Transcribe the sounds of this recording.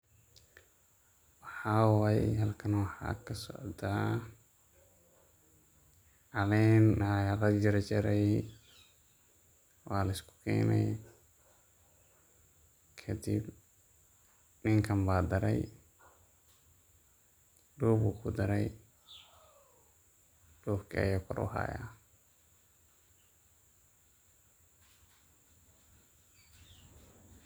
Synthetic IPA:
wɑħɑwajɦɐlkʰɐnwɑħɑ̰kʰɐsɔ̰ʕd̪a | ʕɑlɛjnajalɐd͡ʒɪɾt͡ʃɪɾɛj | wɑːlɐɪskʰʊ̥kʰɛ̰ːnɛ̰j | kʰɐd̪ḭb | niŋkambaːd̪ɐɾaj | ɗubukʰud̪ɐɾaj | d̥oːfka̰jɔkɔɾɔ̰ha̰ja̰

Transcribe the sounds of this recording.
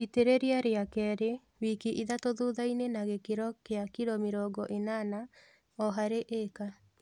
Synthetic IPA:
iteɾeɾeaɾeakɛːɾe | wikiʔiðatoðuðainenaɣekeɾɔkeakiɾɔmeɾɔɡɔʔenana | ɔɦaɾeʔeka

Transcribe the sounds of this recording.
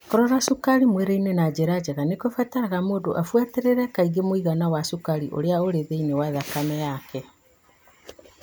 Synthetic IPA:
koɾɔɾasukaɾimwɛɾeinenad͡ʑeɾad͡ʑeɣanekofataɾaɣamoːdoʔafwateɾeɾɛkaiɡemoiɣanawasukaɾiʔo̰ɾeaoɾeðeinewaðakamɛjakʰɛ

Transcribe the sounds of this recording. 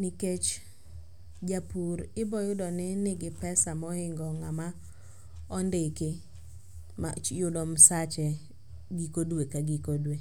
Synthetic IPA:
niket͡ʃ | d͡ʒapuɾɪbɔjʊdɔnɪnɪɡɪpɛsamɔɪŋɡɔŋama | ɔndɪkɪ | ma̰t͡ʃjʊdɔmsat͡ʃɛ | ɡikodwekaɡikodwe

